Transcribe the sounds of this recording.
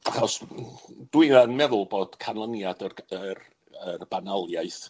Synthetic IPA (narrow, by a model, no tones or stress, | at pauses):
aχɔs | d̥wiðanmɛðʊlˠboːd̥kʰanlˠənjadərər | ərb̥analˠjajθ